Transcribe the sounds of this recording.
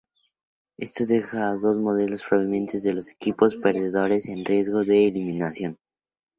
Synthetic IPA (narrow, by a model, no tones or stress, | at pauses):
e̞st̪oðe̞xaːðo̞zmo̞ð̞e̞lo̞spɾo̞β̞injẽ̞nt̪e̞zðe̞lo̞se̞̥kipo̞spe̞ɾðe̞ðo̞ɾe̞se̞nrje̞zɣo̞ðe̞ːlimĩnasjo̞n